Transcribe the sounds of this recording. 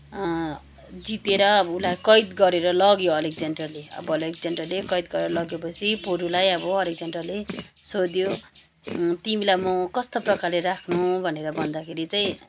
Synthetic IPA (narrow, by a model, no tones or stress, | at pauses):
d͡zit̪eɾʌulajkʌjd̪ɡʌɾeɾʌlʌɡjoʌlek̚d͡zʌnʈrʌrleʌ̰bʌlek̚d͡zʌnʈrʌrlekʌjd̪̚ɡʌɾeɾʌlʌɡjepʌt͡sʰipoɾulajʌbʌʌlik̚d͡zʌnʈrʌrlesod̪jo | t̪imilajmʌkʌst̪oprʌkarleɾakʰnubʱʌneɾʌbʱʌnd̪akʰeɾit͡saĩ